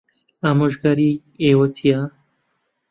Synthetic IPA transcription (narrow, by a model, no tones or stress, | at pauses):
aːmoʒɡaɾiː | ewɐsija